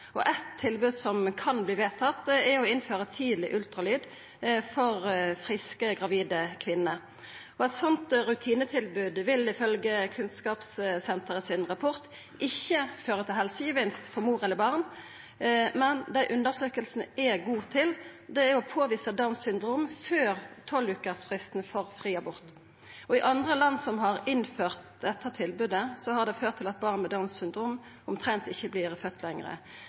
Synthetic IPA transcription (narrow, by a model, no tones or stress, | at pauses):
ɔ̰ʔɛt̪ʰːɪlbʉːd̪sɔmkʰɑnbliːʋeːt̪ʰɑt̪ɛɔɪnføːʁət̪ʰiːd̪lɪ̰ʔʉlt̪ʁɑlyːd̪ | fɔʁfʁɪskəɡʁɑʋiːd̪əkʰʋɪnːə | ɔɛt̪sɔnt̪ɾʉt̪ʰiːnət̪ʰɪlbʉːd̪ʋɪlɪfœlɡəkʰʉnskɑːpssɛnt̪əʁəsɪnʁɑpʰɔʁt̪ | ʔɪçːəføːʁət̪ʰɪlɦɛlsəjəʋɪnst̪fɔʁmuːʁɛləbɑʁn | mɛnd̪æɪʔʉnd̪əʁsøːkəlsnəɛɡuːt̪ʰɪld̪ɛæɔpʰoːʋiːsəd̪ɑʊnsʏnd̪ɾuːmføːʁt̪ʰɔlʉːkəsfʁɪst̪nfoːʁfʁiːɑbʊʁt̪ | ɔɪʔɑnd̪ʁəlɑnːsɔmɦɑʁɪnføːʁt̪̚d̪ɛt̪ʰːət̪ʰɪlbʉd̪əsɔhɑʁd̪ɛføːt̪ʰːɪlɑt̪̚bɑʁnmɛd̪ɑʊnssʏnd̪ɾuːm | ʊmt̪ʰɾɛnt̪ɪçːəblɪʁfœt̪ʰːlɛŋʁə̰